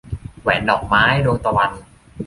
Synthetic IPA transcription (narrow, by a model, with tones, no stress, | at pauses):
wɛː˩˦nːɔː˨˩k̚maː˦˥jdu˧əŋt̪a˧wa˧n